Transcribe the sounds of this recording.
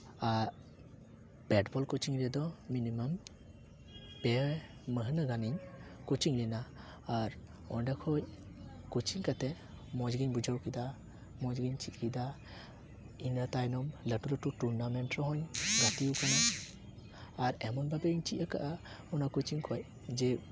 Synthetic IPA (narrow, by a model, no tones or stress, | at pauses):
aɾ | bɛdbɔlkut͡ʃiŋɾɛd̪ɔminimam | b̥e | məɦɯnaɡaniɲkut͡ʃiŋlinaː | ɾ | ɔndakʰɔj | kut͡ʃiŋkate | mɔd͡ʒɡiɲbud͡ʒawkid̪a | mɔd͡ʒɡiɲt͡ʃitkid̪a | inatajnɔmlatulɔtutuɾnamentɾɔɦɔɲɡatiukana | ɾemɔnbabeiɲt͡ʃiʔaka̰ʔa | ɔnakut͡ʃiŋkʰɔj | d͡ʒe